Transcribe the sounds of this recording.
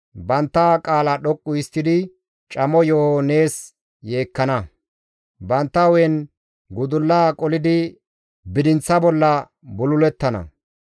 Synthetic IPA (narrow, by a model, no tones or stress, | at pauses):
bɐnt̪ːakʼaːlɐɗɔkʼːʊɪst̪ːɪd̪ɪ | t͡ʃʼɐmɔjohoːne̞ːs | je̞ːkːɐnɐ | bɐnt̪ːɐwɛn | ɡʊd̪ʊlːaːkʼɔlɪd̪ɪ | bɪd̪ɪnt͡sːɐbɔlːɐ | bʊlʊlɛt̪ːɐnɐ̰